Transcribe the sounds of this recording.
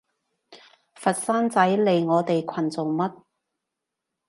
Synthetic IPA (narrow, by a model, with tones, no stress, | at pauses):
fɐ˨t̚saː˥nt͡sɐ˨˥jle˨˧jŋɔː˨˧t̪e˨jkʷʰɐ˨˩nt͡so˨˩ŋmɐ˥t̚